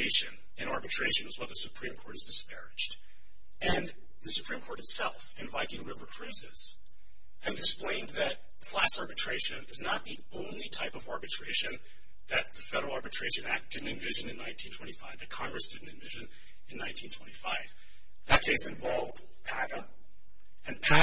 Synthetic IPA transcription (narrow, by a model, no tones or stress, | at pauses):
ɪʃɨ̃n | ɨ̃ñɑɹbɨtʰɹ̥eɪʃɨ̃nwʌzwʌðɨsɨpʰɹ̥ĩmkʰɔɹɾɨzdɨspɛɹɪd͡ʒt | ɨ̃n | ðɨsɨ̥pʰɹ̥ĩmkʰɔɹɾɨtsɛlˠfɨ̃nvaɪkɪ̃ŋɹɪvə˞kʰɹ̥ʉzɪz̥ | ɨzɨksplẽɪ̃nðɨt̪̚ | fʰlæsɑɹbɨtʰɹ̥eɪʃɨ̃nɨznət̪̚ði | õʊ̃nlitʰaɪpʌvɑɹbɨtʰɹ̥eɪʃɨ̃n | ðɨt̪̚ðɨfɛɾə˞l̩ˠɑɹbɨtʰɹ̥eɪʃɨ̃næk̚d̥ɪdⁿn̩tɨ̃nvɪʒɨ̃nɨ̃nːãɪ̃ntʰĩntʰw̥ɛ̃ɾ̃ifaɪvðɨkʰɑ̃ŋɡɹɨsd̥ɪdⁿn̩tɨ̃nvɪʒɨ̃n | ɨ̃nːãɪ̃ntʰĩntʰwɛ̃ɾ̃ifaɪv | ðɨt̚kʰeɪsɨ̃ɱvɑlˠvd̥ | pʰæɡə | ɨ̃npʰæ